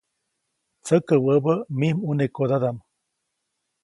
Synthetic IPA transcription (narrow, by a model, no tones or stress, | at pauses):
t͡səkəwəbəmihmunekod̪ad̪am